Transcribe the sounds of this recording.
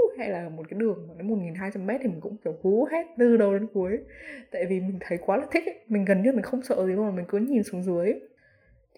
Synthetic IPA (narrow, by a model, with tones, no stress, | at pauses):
hɛ̰˧˥laː˨˩mo˨˩t̚kaː˨˦jɗɨ˨˩əŋː˨˩nə˨˦mo˨˩t̚ŋi˨˩nɦaː˧jt͡ɕa˧mːɛ˦˥t̚t̪ʰi˨˩ï˨˩kŋ͡mkɛ˧˩wku˨˦ɦɛ˦˥t̚lɨ˧ɗə˧wɗe˨˦nku˨˦əjt̪a̰ː˧˨jvi˨˩mï˨˩ŋ̟t̪ʰə˨˦jkwaː˨˦laː˨˩t̪ʰï˦˥k̚mï˨˩ŋ̟ɣə˨˩nɲɨ˧˥˧mï˨˩ŋ̟xə˧wŋ͡msə̰ː˧˨zi˨˦˧maː˨˩mï˨˩ŋ̟kɨ˨˦ɲi˨˩nsu˨˦ŋzɨ˨˦əj